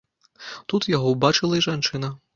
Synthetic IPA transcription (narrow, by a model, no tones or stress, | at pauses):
t̪ut̪jaɣɔwbat͡ʂɨlˠɐiʐant͡ʂɨnɐ